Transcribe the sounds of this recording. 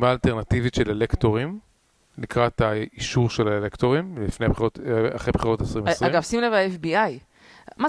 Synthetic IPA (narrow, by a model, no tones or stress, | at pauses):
maːlteʁnativitʃe̞lelektoʁim | nikʁat̪aiʃuʁʃelaelekto̞ʁimlifneabeχiʁota̰χejbeχiʁo̞tesʁimʁaiɡavsimlevaefbiaj | ma